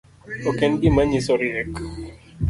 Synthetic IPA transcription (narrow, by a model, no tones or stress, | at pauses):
ɔkɛnɡɪmaɲisɔɾjɛk